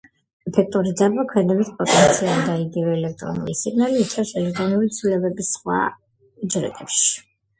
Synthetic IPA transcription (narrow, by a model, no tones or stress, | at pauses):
ɛpʰɛk̚ʰt̪ʼuɾid̪zabakʰwɛd̪ɛbit̪ʰpʼɔt̪ʼɛnt̪sʰiald̪aiɡivɛːlɛk̚t̪ʼɾɔ̰nṵlisiɡnalit̪ʰɾaɛsɛlɛk̚t̪ʼɾɔnulit̪sʰvilɛbɛbisχwa̰ | d͡ʒɾɛ̰t̪ʼɛpʃi̥